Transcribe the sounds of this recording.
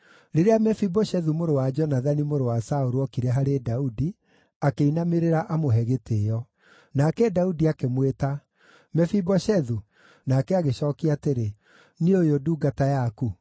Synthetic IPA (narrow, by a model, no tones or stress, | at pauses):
ɾeɾeamɛfibɔʃɛðumoɾowad͡ʒɔnaðanimoɾowasaoɾuɔkiɾɛɦaɾedaudi | akeinameɾeɾaʔamoɦɛɣetejɔ | nakɛdaudiakemweta | mɛfibɔʃɛðu | nakɛaɣeɕɔːkiateɾe | niojoduːɡatajaku